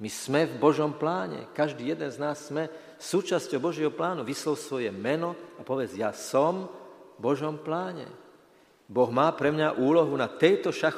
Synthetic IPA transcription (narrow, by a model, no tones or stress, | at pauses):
mismɛvbɔʒɔmplaːɲɛ̰kaʒd̪iːjɛd̪ɛnznaːsːmɛ | suːt͡ʃascɔʊbɔʒjɛɦɔplaːnuʋislɔʊsʋɔjɛmɛnɔapɔʋɛd͡zjaːsɔmbɔʒɔmplaːɲɛ̰ | bɔɣmaːpɾɛmɲaʔuːlɔɦunat̪ɛjt̪ɔʃax